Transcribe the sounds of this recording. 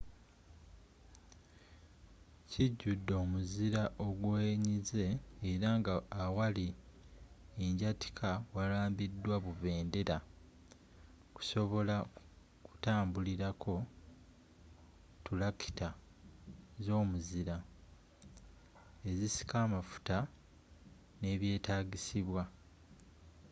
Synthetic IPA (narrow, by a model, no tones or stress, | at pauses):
ciɟːudːo̞ːmuziɾaʔo̞ɡweːɲize̞ːɾaŋɡaawali | eɲɟati̥kʰawalaːmbidːwaβuve̞ːnde̞ɾa | ku̥so̞βo̞la | ku̥taːmbuliɾakʰo̞ | tulaki̥ta | zo̞ːmuziɾa | e̞zisi̥kaːmafu̥ta | ne̞βje̞ːtaːɡisiβwa